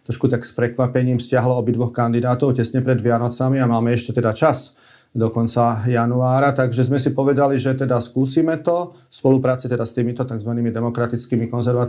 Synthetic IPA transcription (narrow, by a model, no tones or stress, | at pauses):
t̪ɾɔʃkut̪akspɾɛkʋapɛɲiːmfscɪaɦlɔɔbid̪ʋɔxkand̪id̪aːt̪ɔʊcɛsɲɛpɾɛd̪ʋɪanɔt͡samiamaːmɛɛʃcɛt̪ɛd̪at͡ʃas | d̪ɔkɔnt͡sajanuaːɾat̪aɡʒɛzmɛsipɔʋɛd̪aliʒɛt̪ɛd̪askuːsiːmɛt̪ɔ | spɔlupɾaːt͡sit̪ɛd̪ast̪iːmit̪ɔt̪aɡzʋaniːmid̪ɛmɔkɾat̪it͡skiːmikɔnzɛɾʋat̪